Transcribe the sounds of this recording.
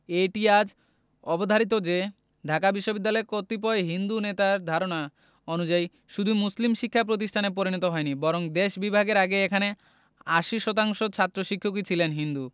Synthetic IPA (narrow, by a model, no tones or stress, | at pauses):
eʈiad͡ʑ | ɔbod̪ʱaɾit̪̬od͡ʑe | ɖʱakabiʃːobid̪ːalɔeɾkot̪ip̬ɔeɦind̪unet̪aɾd̪ʱaɾona | onud͡ʑai | ʃud̪ʱumuslimʃikʰːap̬ɾot̪̬iʃʈʰanepoɾinɔt̪oɦɔenibɔɾoŋd̪eʃbibʱaɡeɾaɡeekʰane | aʃiʃɔt̪aŋʃot͡ɕʰat̪ːɾoʃikʰːok̬it͡ɕʰilenɦind̪u